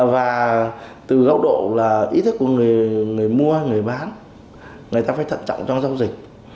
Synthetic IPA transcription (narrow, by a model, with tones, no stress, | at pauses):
vaː˨˩t̪ɨ˨˩ɣa˨˦w̚ɗo̰˧˨laː˨˩ʔi˧˦˥t̪ʰi˦˥k̚ku˧˩əŋɨ˨˩əjŋɨ˨˩əjmu˧əha˧jŋɨ˨˩əjɓaː˨˦n | ŋɨ˨˩əjt̪aː˧faː˧˩˦t̪ʰə̰˧˨nt͡ɕɔ̰˧˨wŋ͡mt͡ɕɔ˧ŋ͡mza˧wzï˨˩k̚